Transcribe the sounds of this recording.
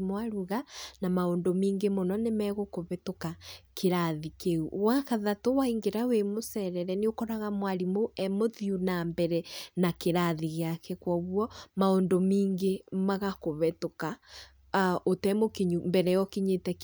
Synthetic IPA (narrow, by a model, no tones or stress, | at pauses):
mwaɾuɣanamaondomiːŋɡemonɔnemɛɣokoβɛtokakeɾaðikeuwakaðatowaiŋɡeɾawemosɛɾɛɾɛneokɔɾaɣamwaɾimoɛmoðjunambɛɾɛnakeɾaðiɣeakɛkwɔβwɔmaondomiːŋɡemaɣakoβɛtoka | ʔotɛmokiɲumbɛɾɛjɔkiɲetɛk